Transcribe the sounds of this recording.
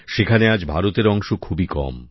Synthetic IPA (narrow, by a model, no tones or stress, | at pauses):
ʃekʰanead͡ʑbʱaɾot̪eɾɔŋʃokʰubikɔ̰m